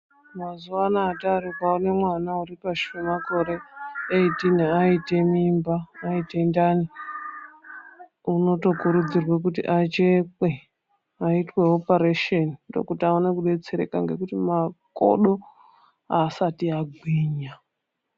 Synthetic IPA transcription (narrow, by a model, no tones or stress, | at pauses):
mazuwanaːtaɾukaone̞mwanauɾipaʃemako̞ɾe̞eitiniaite̞mimbaːite̞ndani | uno̞to̞kuɾud͡zirwek̬utḭʔat͡ʃekwe | aitwe̞opaɾeʃenido̰kutaonekuɗe̞t͡se̞ɾe̞̰kaŋɡe̞kutimako̰ɗo̞ | aːsatiaɡʱwiːɲa